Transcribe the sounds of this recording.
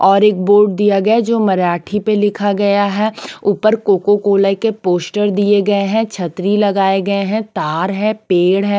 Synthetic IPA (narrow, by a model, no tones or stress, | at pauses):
ɔːɾeːk̚boːɾɖ̚d̪ijaɡɐjad͡ʒoːmɐɾaːʈʰipelɪkʰaɡɐjaɦɛuːpəɾkoːkokoːləkepoːsʈəɾd̪ieɡɐeɦɛ̃t͡ʃʰɐt̪ɾilɐɡaːeɡɐeɦɛ̃t̪aːɾɦɛːpeːɽɦɛː